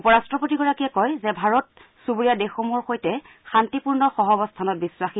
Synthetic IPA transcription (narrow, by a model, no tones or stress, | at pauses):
upɔɹastɹɔpotiɡɔɹakijɛkɔjzɛbʱaɹɔt | subuɹijadexomɔɹxojtɛ | xantipuɹnɔxɔɦɔbɔstʰanɔt̚biswaxi